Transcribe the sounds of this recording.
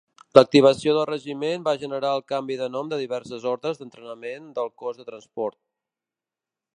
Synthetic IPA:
lək̚t̪iβ̞əsioðəlˠrəʒimembaʒənəɾaəlˠkambiðənɔmd̪əðiβɛɾsəzɔɾðəzðənt̪ɾənəmend̪əlˠkɔzðət̪ɾənspɔɾt̪̚

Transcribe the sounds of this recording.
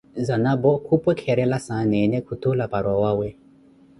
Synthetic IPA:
zanabɔkʰupwɛkʰɛɾɛlasanɛnɛkʰutolapaɾwawawɛ

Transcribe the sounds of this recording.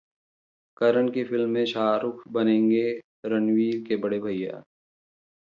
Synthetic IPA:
kɐɾəɳkefʰɪlmːẽʃaːɾʊkʰbɐnẽːŋɡe | ɾənwiːɾkebɐɽebʱɐjːa̰ː

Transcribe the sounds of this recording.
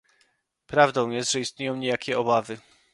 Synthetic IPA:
pɾavd̪ɔ̃w̃jɛst̪ʐ̥ɛist̪̚ɲejɔ̃w̃ɲejakʲɛɔbavɘ

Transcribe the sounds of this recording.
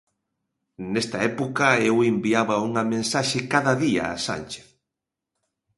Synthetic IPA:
nest̪ɐɛpokɐewembiaβɐuŋɐmẽnsaʃɪkaðɐðia̰ːsa̰nt͡ʃe̥θ

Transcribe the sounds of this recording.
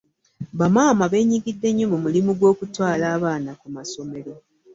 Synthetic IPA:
βamaːmaβe̞ːɲiɡidːe̞ɲːomumulimuɡwo̞ːkutwaːlaːβaːnakumaso̞me̞ɾo̞

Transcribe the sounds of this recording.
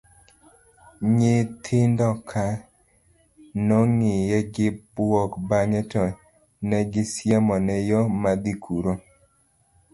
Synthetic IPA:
ɲɪt̪ʰɪndɔkʰa | nɔŋɪjɛɡɪbwɔkbaŋɛtɔ | nɛɡɪsjamɔnɛjɔmad̪ikʰuɾo

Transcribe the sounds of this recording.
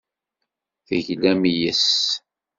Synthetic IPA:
θəʝlæmijəs

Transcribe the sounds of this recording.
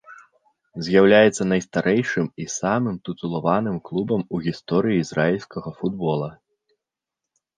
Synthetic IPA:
zʲjawlʲajɛt̪sːɐnɐjst̪aɾʔɛjʂɨmisamɨmt̪ut̪zulˠavanɨmklˠubɐmuɣʲist̪ɔɾɨjiːzrʔailʲsʲkɐɣɐfud̪bɔlˠɐ

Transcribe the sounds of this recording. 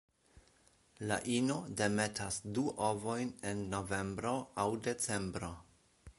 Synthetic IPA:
la̰ʔino̞de̞me̞tasduʔovojne̞nːo̞ve̞mbɾo̞awde̞t͡se̞mbɾo̞

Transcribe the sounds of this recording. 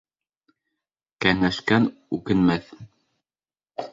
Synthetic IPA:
kæŋæʃkænʉkɘ̆nmæθ

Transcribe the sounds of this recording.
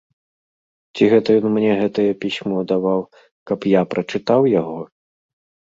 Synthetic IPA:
t͡sʲiɣɛt̪ɐjɔnmnʲɛɣɛt̪ɐjɐpʲisʲmɔd̪avaw | kɐpjapɾɐt͡ʂɨt̪awjaɣɔ

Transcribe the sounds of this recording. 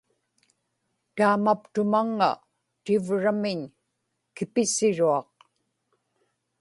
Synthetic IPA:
t̪aːmapt̪ʊmaŋːa̰ | t̪ɪvɻamɪɲ | kɪpɪsɪɻuɑq̚

